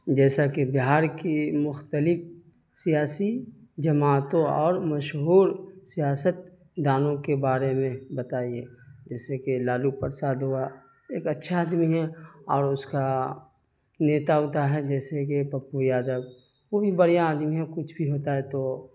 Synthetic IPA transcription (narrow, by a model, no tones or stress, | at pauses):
d͡ʒɛːsakebɪɦaːɾkimʊxt̪əlɪf | sijaːsid͡ʒɐmaːt̪õɔːɾmɐʃɦuːɾsijaːsət̪̚ | d̪aːnõkebaːɾemẽbɐt̪aːieːd͡ʒɛːsekelaːlupəɾsaːd̪ɦua | eːkɐtːʃʰaaːd̪miɦɛɔːɾʊska | neːt̪aɦoːt̪aɦɛd͡ʒɛːsekepɐpːujaːd̪əb | ʋobʱibɐɽijaːd̪miɦɛkʊt͡ʃʰbʱiɦoːt̪aɦɛt̪oː